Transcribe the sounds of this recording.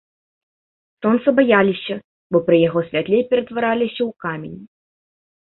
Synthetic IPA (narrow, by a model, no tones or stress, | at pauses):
sɔnt̪sɐbajalʲisʲɐ | bɔpɾɨjaɣɔsʲvʲat̪lʲɛjpʲɛɾɛt̪vaɾalʲisʲɐwkamʲenʲi